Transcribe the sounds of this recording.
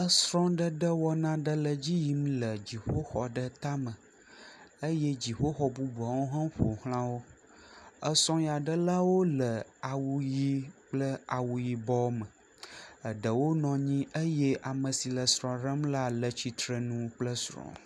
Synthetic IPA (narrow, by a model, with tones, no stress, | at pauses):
ə˦sɾɔ̃˦ɖə˦ɖə˦wɔ˦nã˦ɖə˦lə˨d͡ʑi˦ji˨m˦lə˨d͡ʑi˨ɸo˦xɔ̰˨ɖə˦t̪a˦mə̃˨ | ə˦jɛ˦d͡ʑi˨ɸo˦xɔ˨bu˦bu˨a˨wo˦ɦã˦ɸo˨hl̃ã˦wo˦ | ə˦sɾɔ̃˦ja˨ɖə˦la˦wo˦lə˨a˨wu˨ji˦k͡plə˦a˨wu˨ji˨bɔ˦mə˨ | ə˨ɖə˨wo˦nɔ̃˨ɲĩ˦ʔə˦je˦ʔa˨mə̃˨si˨lə˨sɾɔ̃˨ɾə˦mla˦lə˨t͡ɕi˨t̪ɾə˨nũ˦k͡plə˦sɾɔ̰̃˨